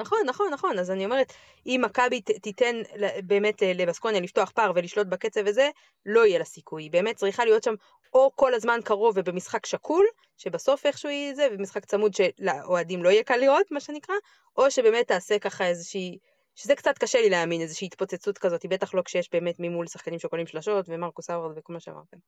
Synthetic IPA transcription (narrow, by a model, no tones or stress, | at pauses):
naχo̞nːaχo̞nːaχo̞nazanio̞meʁet̪ | imːakabitite̞nlbe̞ːme̞tlelebasko̞njalifto̞aχpaʁve̞liʃlo̞t̬̚bake̞t͡seveze | lo̞ijelasikujibe̞ːmet̚ːt͡sʁiχalijo̞tʃam | oko̞lazmankaʁo̞vebemisχakʃakʰul | ʃe̞baso̞fe̞χʃuzevemisχakt͡samud̪ʃe̞laʔoadimlo̞ijekalio̞tmaʃe̞nikʁa | ʔo̞ʃe̞be̞ːmet̪ːaːse̞kaχaezeʃiː | ʃezekt͡sat̪kaʃelileaːminezeʃiːtpot͡set͡sutkazo̞t̪ibe̞taχlo̞kʃejeʃbe̞ːme̞tmimulsaχkanimʃekolimʃlaʃo̞tvemaʁkusavʁtbekolmaʃea̰ma̰ʁtem